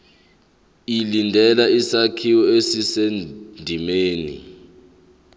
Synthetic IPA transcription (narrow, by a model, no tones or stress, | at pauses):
ilindʱɛlaisakʰiwɔesisendʱimeːnḭ